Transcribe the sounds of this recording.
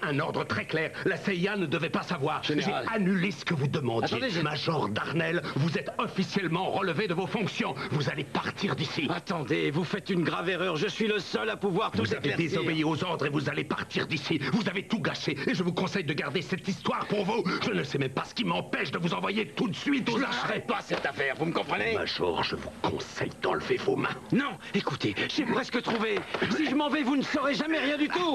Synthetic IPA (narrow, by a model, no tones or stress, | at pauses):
ɛ̃nɔʁd̪ʁət̪χɛklɛːʁlaseianəd̪əvɛpasavwaːʁʒeanylesə̥kəvud̪əmɑ̃d̪jemaʒɔʁd̪aʁnɛlvuzɛt̪ɔfisjɛlmɑ̃ʁəlved̪əvofɔ̃ksjɔ̃vuzalepaʁt̪ʰiʁd̪isiat̪ɑ̃d̪evufɛt̪ynɡʁaveʁœʁʒəsɥiləsœlapuvwaʁt̪uuzaved̪ezɔbeiozɔʁd̪ʁevuzalepaʁt̪iʁd̪isivuzavet̪uɡaʃeeʒəvukɔ̃sɛjd̪əɡaʁd̪esɛt̪ist̪waʁpuʁvuʒ̥ənəsɛmɛmpasə̥kʲimɑ̃pɛʃd̪əvuzɑ̃vwajet̪ut̪sɥit̪ozaʃʁɛpasɛt̪afɛʁvuməkɔ̃pχəneã̰ʒṵʁʒə̰vukʰɔ̰̃sɛ̰jd̪ɑ̰̃ləvevomɛ̰̃nɔ̃ | ekut̪eʒɛpχɛskət̪χuvesiʒəmɑ̃vɛvunəsɔʁeʒamɛʁjɛ̃d̪yt̪u